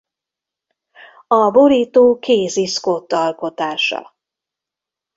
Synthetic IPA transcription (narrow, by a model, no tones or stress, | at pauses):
ɒboɾiːt̪oːkeːsiskot̪ːɒlko̞t̪aːʃɒ̰